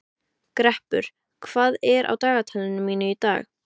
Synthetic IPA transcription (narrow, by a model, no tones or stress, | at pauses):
kɾɛhpʏ̰ɾ̥ | kʰv̥aːðɛɾʔa̰wt̪aːɣat̪ʰalɪnʏmːiːnʏit̪a̰ːx